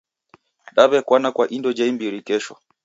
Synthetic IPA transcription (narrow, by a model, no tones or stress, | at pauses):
ɗaβɛkwanakwaʔindɔd͡ʒaimbiɾikɛʃɔ